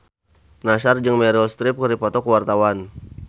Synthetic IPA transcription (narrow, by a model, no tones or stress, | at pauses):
naʃard͡ʒɨŋmɛɾɔst̪ɾɪp̚kəɾipɔt̪ɔkəwart̪awan